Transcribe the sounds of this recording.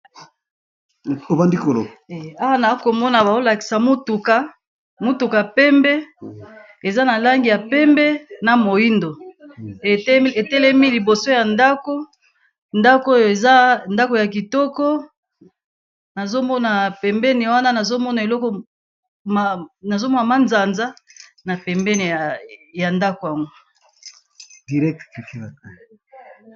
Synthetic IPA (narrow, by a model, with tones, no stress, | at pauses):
o˨ba˦ndi˦ko˨lo̰˨a˦wa˦na˨˦ko˨mɔ˦na˨ba˨o˦la˨ki̥˨sa˨mu˦tu˨ka˦ | mu˦tu˨ka˨pɛ˦mbɛ˦ | e˨za˦na˨la˦ŋɡi˨ja˨pɛ˦mbɛ˦na˨mo˨ji˦ndo˨˦ | e˨tɛ˦lɛ˦mi˦li˨bo˨so˦ja˨nda˦ko˦ | nda˦ko˦jo˨e˨za˦nda˦ko˨ja˨ki˨tɔ˦kɔ˦ | na˨zo˦mɔ˦na˨pɛ˨mbɛ˦ni˨˦wa˦na˦na˨zo˦mɔ˦na˨e˨lɔ˦kɔ˨˦ | na˨zo˦mɔ˦na˨ma˦nza˨nza˦na˨pɛ˨mbɛ˦n˨ja˨nda˦ko˨a˨ŋɡo˦ | di˨ʁɛ˦k̚ti˨˦˨